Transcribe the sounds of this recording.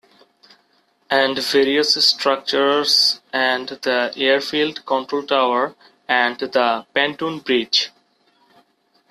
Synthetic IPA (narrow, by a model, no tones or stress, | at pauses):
æ̃ɳɖʋeːɾiəssʈɾʌk̚t͡ʃəɾzæ̃ɳɖd̪əeəɾfiːlɖkɔ̃ɳʈɾoːlʈaʊəɾ | æ̃ɳɖd̪əpæ̃ɳʈũːnbɾiːt͡ʃ